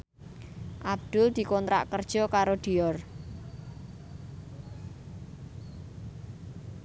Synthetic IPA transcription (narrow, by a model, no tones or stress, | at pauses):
ʔab̚d̪̥ʊ̤ld̪̥i̤kɔnt̪ɾa̰ʔkərd̥ʒ̥ɔ̤kaɾod̪̥i̤ɔr